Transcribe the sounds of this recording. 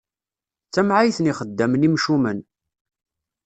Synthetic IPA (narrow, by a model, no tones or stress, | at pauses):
t͡sːæmʕajθniχəd̪ːæmnimʃumən